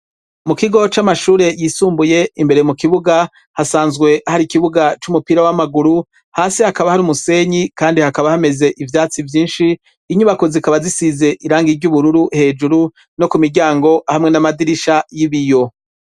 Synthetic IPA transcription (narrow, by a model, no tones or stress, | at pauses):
mukiɡo̞t͡ʃamaʃuːɾe̞jiːsuːmbuje̞imbeɾemukiβuɡa | hasaːnzɡwe̞ahaɾikiβuɡat͡ʃumupiɾawamaɡuɾu | haːsihakaβahaɾimuse̞ɲikaːndihakaβahame̞ze̞ʔivjaːt͡sivjiːnʃiː | ɲuβakozikaβazisize̞ʔiɾaːŋɡiɾɟuβuɾuɾuhe̞ːd͡ʒuɾu | no̞kumiɾɟaːŋɡo̞ʔahamŋe̞namadiɾiʃajiβijo̞